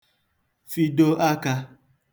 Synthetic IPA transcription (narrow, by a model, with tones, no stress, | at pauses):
fi˦do˦ʔa˦ka˧